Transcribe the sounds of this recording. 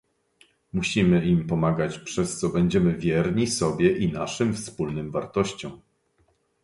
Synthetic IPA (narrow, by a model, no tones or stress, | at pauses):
muɕimɘimpɔmaɡat͡ɕpʂɛst̪sɔbɛɲd͡ʑɛmɘvʲjɛɾɲisɔbʲjɛʔinaʂɘmfspulnɘmvaɾt̪ɔɕt͡ɕɔ̃w̃